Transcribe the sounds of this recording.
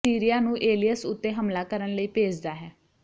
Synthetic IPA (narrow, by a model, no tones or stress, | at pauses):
iːɾijaːnũːʔeːlijəsʊt̪ːeːɦəmlaːkəɾənləiːpeːd͡ʒd̪aːɦɛː